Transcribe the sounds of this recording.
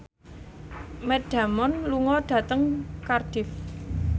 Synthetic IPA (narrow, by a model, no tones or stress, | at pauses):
mɛd̥a̤mɔnluŋɔɖ̥a̤t̪əŋkard̥ɪf